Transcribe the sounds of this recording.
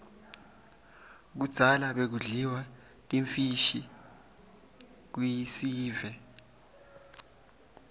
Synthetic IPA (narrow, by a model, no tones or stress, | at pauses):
k̬ud̥z̥ʱalaɓek̬uɮiwa | tʼiɱfiʃi | k̬wijisiːvɛ